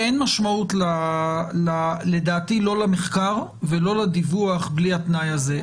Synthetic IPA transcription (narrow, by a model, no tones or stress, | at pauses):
enmaʃmautlalale̞daːtilo̞lameχkaʁ | velo̞lad̪ivuaχbliatnajaze